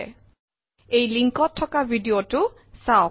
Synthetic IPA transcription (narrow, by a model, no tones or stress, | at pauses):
ejliŋkɔtʰːɔkabʱidiotʊ | saʊ